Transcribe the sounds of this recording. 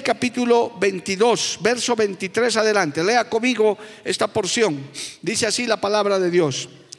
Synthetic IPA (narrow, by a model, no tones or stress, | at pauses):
kapit̪uloβent̪iðosbeɾsoβent̪it̪ɾesaðelãnt̪eleakomiɣo | est̪apoɾsjõŋd̪iseasilapalaβɾaðeðjos